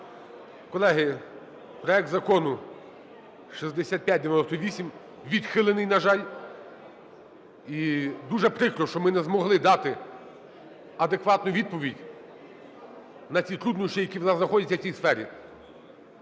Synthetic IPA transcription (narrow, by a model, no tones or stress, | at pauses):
kɔlˠɛɦɪ | pɾɔɛk̚t̪zɐkɔnʊ | ʃizd̪esʲat̪̚pʲjat̚ʲd̪eʋjnɔst̪ɔʋʲisʲim | ʋʲid̪xɪlˠenɪjnɐʒɑlʲ | id̪uʒɛpɾɪkɾɔʃt͡ʃɔmɪnɛzmɔɦlˠɪd̪ɑt̪ɪ | ɐd̪ekʋɑt̪nʊʋʲid̪̚pɔʋʲidʲ | nɐt͡sʲit̪ɾud̪nʊʃt͡ʃijɐkʲiwnɑznɐxɔdʲɐt̪ʲːɐw̥t͡sʲijsfɛɾʲḭ